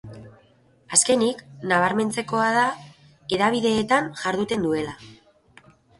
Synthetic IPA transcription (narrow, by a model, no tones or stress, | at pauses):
aske̞niknaβ̞aɾme̞nt͡se̞ko̞að̞a | e̞ðaβ̞iðe̞ːt̪anʝaɾðut̪e̞nd̪ue̞la